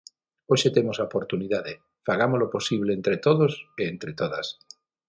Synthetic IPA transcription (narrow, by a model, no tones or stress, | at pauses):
oʃet̪emosaopoɾt̪uniðaðe | faɣ̞amoloposiβ̞leːnt̪ɾet̪oðoseːnt̪ɾet̪oðas